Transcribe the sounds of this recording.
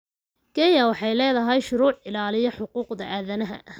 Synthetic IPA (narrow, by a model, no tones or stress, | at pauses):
ɡ̥ɛjɐwɑħɑjlɛːðɐɦɛjʃʊɾuːʕɪlaːlɪjɔħʊquːqd̪ɐʔaːðɐnɐɦɐ̰